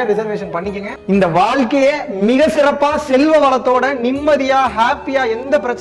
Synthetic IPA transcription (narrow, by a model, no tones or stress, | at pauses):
ɾɪsɐɾʋeːʂɐnpɐɳːɪkʲːɯŋɡɐɪnd̪ɐʋaːɻkɐjemɪɣɐsɪɾɐpːaːsɛlʋɐʋɐlɐt̪ːoːɽɐnɪmːɐðɪjaːɦaːpːɪjaːɛnd̪ɐpɪɾɐt͡ʃː